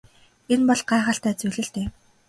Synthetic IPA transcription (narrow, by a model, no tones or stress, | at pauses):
enpɔɮɢaːʁə̆ɬt̪æːt͡suɮɘ̆ɬt̪eː